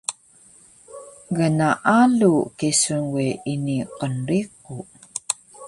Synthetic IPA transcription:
ɣənaʔalukisunɣiiniqənriq̚u

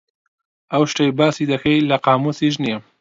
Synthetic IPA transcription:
awʃʈajbɑːsid̪axajlaqɑːmusiʒnim

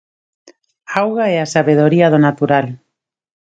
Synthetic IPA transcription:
awɣaɛasaβeð̞oɾiaðonat̪uɾal

